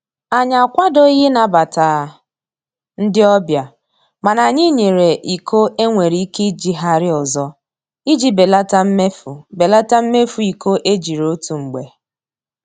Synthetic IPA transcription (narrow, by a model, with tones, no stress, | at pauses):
a˨ɲa˨kʷa˦do˦je˦na˨ba˨ta˨ | n̩˦dɪ˦ɔ˦bja˨ | ma˨na˨ɲɪ˦ɲe˨ɾe˨ʔi˨kʰo˦e˦ŋʷe˨ɾi˨˦ke˦d͡ʒi˨ɦa˦ɾɪ˦ɔ˨zɔ˦ | i˦d͡ʒi˦be˨la˦ta˦m̩˦me˦fu˨be˨la˦ta˦m̩˦me˦fu˨i˨ko˦ʔe˦d͡ʒi˨ɾo˦tu˨ŋ͡m̩˨ɡ͡be˨